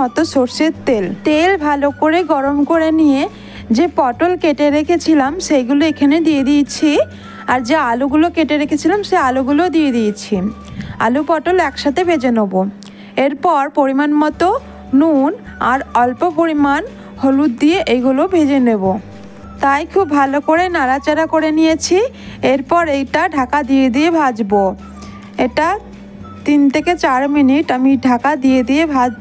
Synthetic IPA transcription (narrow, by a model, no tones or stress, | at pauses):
ɔt̪osoɾsit̪t̪elt̪elbʱalokoɾeɡɔɾomkoɾenije | d͡ʑepɔʈolkeʈeɾekʰet͡ɕʰilamʃejɡuloekʰaned̪ied̪ijt͡ɕʰi | aɾd͡ʑealuɡulokeʈeɾekʰet͡ɕʰilamʃealuɡulod̪ijed̪it͡ɕʰi | a̰lupɔʈolɛkʃat̪ʰebʱed͡ʑenobo | eɾpɔɾpoɾimanmɔt̪o | nun | aɾɔlpopoɾiman | holut̪̚d̪ijeʔejɡulobʱed͡ʑenebo | t̪ajkʰubːʱalokoɾenaɾat͡ɕeɾakoɾenijet͡ɕʰi | eɾpɔɾejʈaɖʱakad̪ied̪iebʱad͡ʑbo | eʈa | t̪int̪ʰeket͡ɕaɾminiʈamiɖʱakad̪ijed̪iebʱad͡ʑ